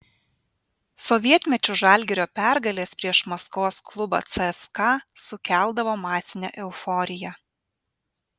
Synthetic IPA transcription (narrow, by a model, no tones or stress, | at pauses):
sɔʋʲiɛt̪ʲmʲɛt͡ʃʲʊʒɐˑlʲɡʲɪɾʲoːpʲæˑɾɡɐlʲeːspʲɾʲiɛʃmɐskoːsklˠʊbɑ̰ːt̪sʲɛɛskɑsʊkʲæˑlˠd̪ɐʋoːmɑːsʲɪnʲɛ̰ʔɛʊfɔɾʲɪjɛ